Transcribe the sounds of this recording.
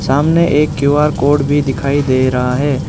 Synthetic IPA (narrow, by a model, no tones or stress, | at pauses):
saːmneʔeːkːjuːaːɾkoːʈbʱid̪ɪkʰaːid̪eːɾɐɦaɦɛː